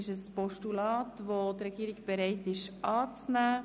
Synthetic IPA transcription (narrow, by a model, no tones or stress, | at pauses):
ɪʃəspɔʃtulɑːtʋotrɛɡiːɾɪkb̥əɾɛɪtɪʃʔɑːt͡snæː